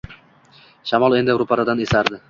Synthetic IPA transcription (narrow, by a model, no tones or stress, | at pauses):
ʃamɒlˠe̞nd̪ɪɾʊpʰaɾad̪anesaɾd̪ɪ